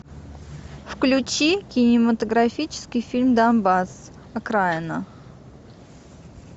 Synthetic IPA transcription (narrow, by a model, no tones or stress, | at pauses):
fklʲʉt͡ɕikʲɪnʲɪmət̪əɡɾafʲit͡ɕɪ̥skʲɪjfʲilʲmd̪anbas | ɐkɾaɪnə